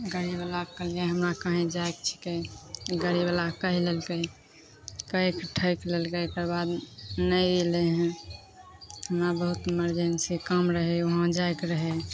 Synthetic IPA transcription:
ɡəɾibəlakəld͡ʒaɦəmɾakəɦẽd͡ʒaekt͡ʃʰi̥kəɡəɾiblakəɦilelkəj | kəekʈʰəɪklelkəjkəɾbad̪nəjleɦɛ̃ | həmɾabəɦut̪məɾd͡ʒensikəmɾəɦɛoɦãd͡ʒaekɾəɦɛ

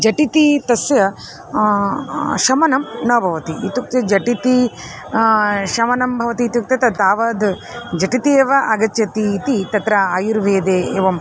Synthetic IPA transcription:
d͡ʒɐʈit̪it̪ɐsjɐ | ʃɐmɐnɐmnɐːbʱɐʋɐt̪iːt̪uk̚t̪jɐd͡ʒɐʈit̪i | ʃɐmɐnɐmbʱɐʋɐt̪iːt̪juk̚t̪ɐt̪ɐt̪aːʋɐːd̪ | d͡ʒɐʈit̪ieːʋɐʔɐɡɐt͡ʃːɐt̪iːt̪it̪ɐt̪ɾɐaːjuɾʋeːd̪eːeːʋɐm

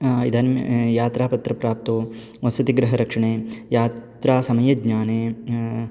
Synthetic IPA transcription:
id̪ʱaːnm̰jaːt̪ɾaːpɐt̪ɾɐpɾaːp̚t̪oː | ʋɐsɐt̪iɡɾɐɦɐɾɐkʂɐɳeːjaːt̪ɾaːsɐmɐjɐɡɲaːneː

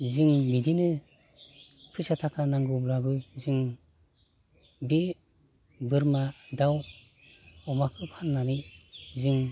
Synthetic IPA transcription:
zɯŋmidinɯ | pʰɯsatʰakʰanaŋɡɯblabɯzɯŋ | be | bɯɾmadaw | ɔmakʰɯpʰanːanizɯŋ

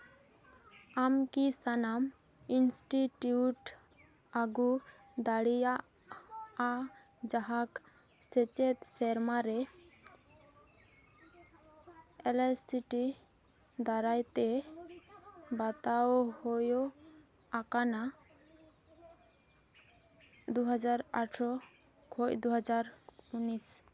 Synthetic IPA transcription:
amkisanam | insʈiʈjuʈ | aɡu | d̪aɽijaː | d͡ʒaɦak | sɛt͡ʃɛt̪sɛɾmaɾɛ | ɛlɛsiʈi | d̪aɾajt̪ɛ | bat̪awhojɔ | akana | d̪uɦad͡ʒaɾa̰ʈʰsɔ | kʰɔjd̪uɦɛd͡ʒaɾunis

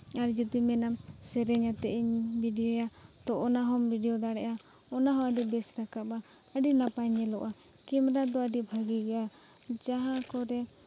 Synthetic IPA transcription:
aɾd͡ʒut̪imɛnam | sɛɾɛɲat̪ɛʔiɲbʱiɖiɔja | t̪ɔʔɔnaɦɔmbʱiɖɛɔd̪aɽɛʔa | ɔnaɦɔ̃aɖibɛsd̪akaba | əɖinapaɲɛlɔʔa | kimɾad̪ɔaɖibʱaɡiɡɛʔa | d͡ʒaɦãkɔɾɛ

